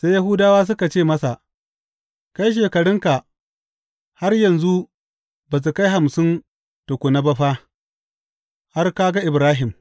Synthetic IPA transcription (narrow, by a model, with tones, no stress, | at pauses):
sa˦ja˦ɦʊ˦daː˦waː˦s̬ʊ˦ka˨t͡ʃeː˦˨mɐ˦sa˨ʔ | ka˦jʃ̬eː˨kɐ˨ɽɪ˦ŋka˨ʔ | ha˦rjɐ˨nzu˦ | bɐ˨s̬u˨ka˦jɦa˨msɪ˦n | to˨kʷʊ˨na˦bɐ˦ɸaː˦ | ha˦rka˦ɡa˦ʔɪ˨bɾaː˦ɦɪ˨m